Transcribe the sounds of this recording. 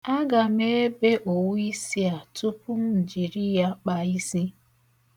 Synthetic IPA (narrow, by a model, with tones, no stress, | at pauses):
a˦ɡa˨me˦e˦be˦ʔo˨wu˦i˦si˦a˨tu˦pʊ˦m̩˦n̩˨d͡ʒi˨ɾi˦ja˦k͡pa˨i˦si˦